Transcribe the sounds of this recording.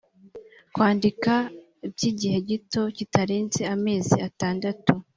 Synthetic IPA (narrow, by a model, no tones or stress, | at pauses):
kwaːndika | ibɟiːɟihe̞ɟito̞citaɾeːnzeame̞ːziataːndatu